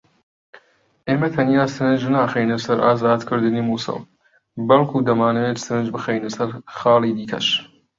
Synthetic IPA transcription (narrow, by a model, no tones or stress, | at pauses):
ʔeːmɐt̪ʰɐnijaːsɨɾɨnd͡ʒnaːxejnɐsɐɾʔaːzaːd̪kʰɨɾd̪ɨniːmuːsɨ̰lˠ | bɐlˠkʰuːd̪ɐmaːnɐweːt̪sɨɾɨnd͡ʒbɨxejnɐsɐɾxɑːlˠiːd̪iːkʰɐ̰ʃ